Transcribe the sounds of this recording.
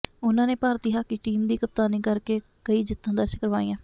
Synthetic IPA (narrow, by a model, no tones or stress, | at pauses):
ʊnãːneːpaːɾt̪iːɦaːkiːʈiːmd̪iːkəp̚t̪aːniːkəɾkeː | kəiːd͡ʒɪt̪ːãːd̪əɾʃəkəɾʋaːĩːãː